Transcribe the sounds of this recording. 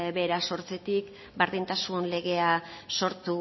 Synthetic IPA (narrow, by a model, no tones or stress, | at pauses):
βe̞ɾaso̞ɾt͡set̪ik | baɾðint̪asunle̞ɣ̞e̞aso̞ɾt̪u